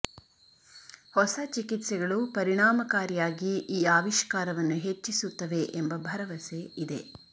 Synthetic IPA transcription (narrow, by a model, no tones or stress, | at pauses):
hɔsɐt͡ʃikit̪sɛɡɐɭupɐɾiɳaːmɐkaːɾijaːɡiʔiːaːʋiʃkaːɾɐʋɐnːuɦet͡ʃːisut̪ːɐʋe̞ʔembɐbʱɐɾɐʋɐseid̪e̞̰